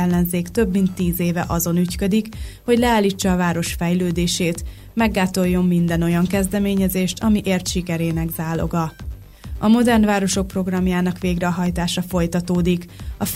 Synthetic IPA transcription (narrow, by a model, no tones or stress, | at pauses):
ɛlːɛnzeːkt̪ø̞bːmint̪ːiːzeːvɛ̰ʔɒzo̞nyckø̞d̪ikho̞ɟlɛaːlːit͡ʃːɒːvaːɾo̞ʃfɛjløːd̪eːʃeːt̪ | mɛɡːaːt̪o̞jːo̞mːind̪ɛno̞jɒŋkɛzd̪ɛmeːɲɛzeːʃt̪ʰɒmiʔeːrt̪ʃikɛɾeːnɛɡzaːlo̞̰ɡɒ | ɒmo̞d̪ɛrnvaːɾo̞ʃo̞k̚pro̞ɡrɒmjaːnɒkʋeːɡrɛɦɒjt̪aːʃɒfo̞jt̪ɒt̪oːd̪ikɒf